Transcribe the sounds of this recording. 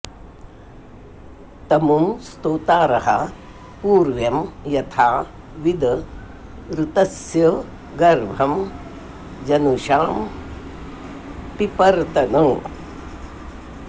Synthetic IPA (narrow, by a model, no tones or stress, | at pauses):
t̪ɐmumst̪oːt̪aːɾɐɦɐ̰ | puːɾʋjɐmjɐt̪ʰaː | ʋid̪ | ɾut̪ɐsjɐ | ɡɐɾbʱɐm | d͡ʒɐnuʃaːm | pipɐɾt̪ɐnɐː